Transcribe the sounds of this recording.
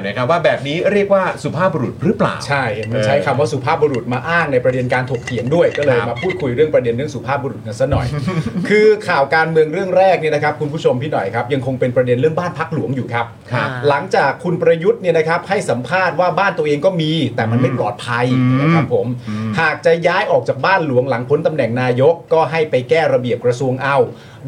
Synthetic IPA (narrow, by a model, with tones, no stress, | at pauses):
na˦˥kʰwaː˥˩bɛː˨˩p̚niː˦˥ɾi˥˩ək̚waː˥˩su˨˩pʰaː˥˩p̚bu˧ɾu˨˩t̪̚ɾɯ˦˥pla̰ː˩˨˩wt͡ɕʰa˥˩jma˧t͡ɕʰa˦˥jkʰa˧mwaː˥˩su˨˩pʰaː˥˩p̚bu˧ɾu˨˩t̪̚maː˧ʔaː˥˩ŋna˧jpɾa˧de˧nkaː˧nt̪ʰu˨˩k̚t̪ʰi˨˩˦əndu˥˩əjkɔː˥˩lɤː˧jmaː˧pʰuː˥˩t̪̚kʰu˧jɾɯ˥˩əŋpɾa˧de˧nɾɯ˥˩əŋsu˨˩pʰaː˥˩p̚bu˧ɾu˨˩t̪̚ka˧nsa˦˥nɔ̰˨˩jkʰɯː˧kʰaː˨˩wkaː˧nmɯ˧əŋɾɯ˥˩əŋɾɛː˥˩k̚ni˥˩na˦˥kʰa˦˥p̚kʰu˧npʰuː˦˥˩t͡ɕʰo˧mt̪ʰiː˥nɔ̰˨˩jkʰa˦˥p̚ja˧ŋkʰo˧ŋpe˧npɾa˧de˧nɾɯ˥˩əŋbaː˥˩npʰa˦˥k̚lu˨˩˦əŋjuː˨˩kʰa˦˥p̚ʰ | la˩˦ŋt͡ɕaː˨˩kʰːu˧npɾa˧ju˦˥t̪̚ni˥˩əna˦˥kʰa˦˥p̚ha˥˩jsa˩˦mpʰaː˥˩t̪̚waː˥˩baː˥˩nt̪u˧əʔeː˧ŋkɔː˥˩miː˧t̪ɛː˨˩ma˧nma˥˩jplɔ̰ː˨˩t̪̚pʰa˧jna˦˥kʰa˦˥pʰːo˩˦mhaː˨˩k̚t͡ɕa˨˩jaː˦˥jʔɔː˨˩k̚t͡ɕaː˨˩k̚baː˥˩nlu˩˦əŋla˩˦ŋpʰo˨˦˥nt̪a˧mnɛ˨˩ŋnaː˧jo˦˥kːɔː˥˩ɦa˥˩jpa˧jkɛː˥˩ɾa˧bi˨˩əp̚kɾa˧su˧əŋʔa˧w